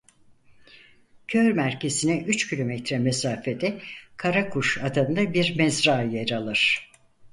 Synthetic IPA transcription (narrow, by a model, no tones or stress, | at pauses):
cʰøɾmæɾce̞sinɛʔyt͡ʃcʰilʲo̞mɛt̪ɾɛmesaːfed̪ɛkʰaɾakʰuʃad̪and̪abiɾmɛzɾaːjeɾalˠɯɾ̥